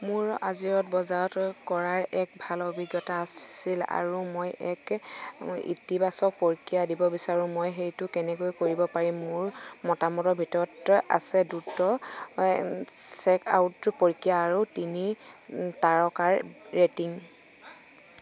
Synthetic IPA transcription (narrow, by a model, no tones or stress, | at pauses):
mʊɹa̰ziɹɔtbɔzaɔtkɔɹaɹɛk̚bʱalobʱiɡjɔtaːsila̰ɹumojɛk | ḭtibasɔk̚poɹkijadibɔbisaɹʊ̃mojɦejtʊkɛnɛkojkoɹibɔpaɹimːʊɹmɔtamɔtɔbʱitɔɹɔta̰sɛdutɔ | sɛka̰wtːpoɹkijaːɹutinitaɹɔkaɹːetiŋ